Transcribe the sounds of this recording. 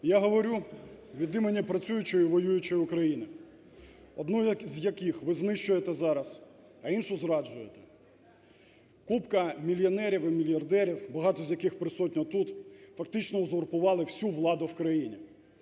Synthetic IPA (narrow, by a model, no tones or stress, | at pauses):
jaɦɔʋɔɾʲuʋʲid̪ɪmenʲipɾɐt͡sʲujʊt͡ʃɔjʊʋɔjujʊt͡ʃɔjʊkɾɐjinɪ | ɔd̪nuzʲjɐkɪxʋɪznɪʃt͡ʃʊjet̪ɛzɑɾɐs | ɐinʃʊzɾɑd͡ʒʊjet̪ɛ̥ | kupkɐmʲilʲjɔnɛɾʲiwɪmʲilʲjɐrd̪ɛɾʲiwbɐɦɑt̪ɔzʲjɐkɪxpɾɪsɔtʲnʲɔt̪ut̪fɐkt̪ɪt͡ʃnɔʊzɔrpʊʋɑlˠɪwsʲuʋlˠɑd̪ʊwkɾɐjinʲi